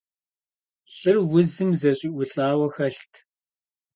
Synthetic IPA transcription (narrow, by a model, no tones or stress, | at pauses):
ɬɨrwʊzɨmzɐɕʼiːʔʷʊɬʼaːwɐxɐɬtʰ